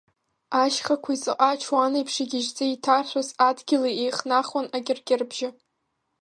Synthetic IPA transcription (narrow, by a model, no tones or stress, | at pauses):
aʃχakʷʰaizɨqʼat͡ʃʰwanejpʰʂaɡʲɪʒt͡sʼɨitʰarħʷazadɡʲɪlaejχnaχwanaɡʲɪrɡʲʼɪrbʒɪ